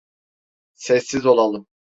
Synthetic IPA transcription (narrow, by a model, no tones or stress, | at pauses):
sɛsːizo̞lˠalˠɯm